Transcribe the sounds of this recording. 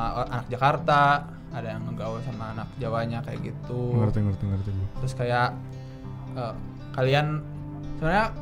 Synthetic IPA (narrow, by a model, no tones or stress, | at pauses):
anak̚d͡ʒakart̪a | adajaŋːəɡausamaːnak̚d͡ʒawaɲakaja̰ɡit̪uŋərt̪iŋərt̪iŋərt̪iut̪ɾʊskajaʔ | əm | kalian | səbnaɲa